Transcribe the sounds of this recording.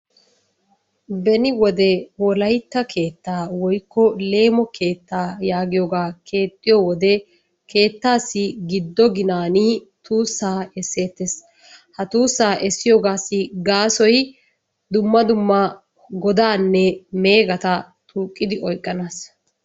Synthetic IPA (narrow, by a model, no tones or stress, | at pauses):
bɛnɪwɔd̪ɛwɔlɐjt̪ːɐkʰe̞ːt̪ːaːwɔjkːɔle̞ːmɔkʰe̞ːt̪ːaːjaːɡɪjoːɡaːkʰe̞ːt̪ʼːɪjɔwɔd̪ɛ | kʰe̞ːt̪ːaːsːɪɡɪd̪ːɔɡɪnaːnɪ | t̪uːsːaːɛsːe̞ːt̪ːes | hɐt̪uːsːaːʔɛsːɪjoɡaːsːɪɡaːsɔj | d̪ʊmːɐd̪ʊmːɐ | ɡɔd̪aːnːɛme̞ːɡɐt̪ɐ | t̪ʰuːkʼːɪd̪ɪʔɔjkʼːɐnaːs